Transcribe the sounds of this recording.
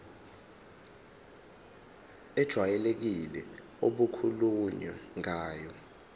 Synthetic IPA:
ɛd̥ʒ̥ʱwajɛlek̬ilɛ | oɓukʰuluɲaŋaːjɔ

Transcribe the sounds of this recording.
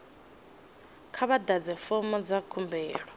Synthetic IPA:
kʰaβadad͡zɛfɔmɔd͡zakʰumbɛːɺɔ

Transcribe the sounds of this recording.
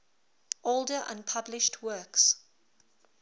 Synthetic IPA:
ʔolˠdəʔã̰npʰablɪʃtʰwɜːˑks

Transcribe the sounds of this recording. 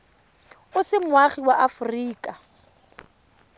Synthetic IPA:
ʊsɪmwaχiwaʔafʊriːkʼa

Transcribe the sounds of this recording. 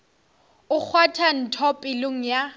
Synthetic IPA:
ʊk͡xʰwatʰan̩tʰɔpʼɪloŋ̩ja

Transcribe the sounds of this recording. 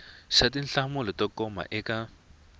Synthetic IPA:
ʃatinɬamʊlɛtɔkɔma̰ʔɛka

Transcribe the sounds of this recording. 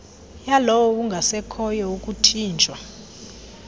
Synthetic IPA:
jalɔwɔwuŋɡʱasɛkʰɔjɔukʼutʰiːnt͡ʃʼwa

